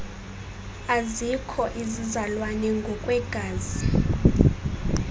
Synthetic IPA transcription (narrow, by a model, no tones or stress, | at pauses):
azikʰɔʔizizalwanɛŋɡʱɔkʼwɛɡ̥ʱaːzi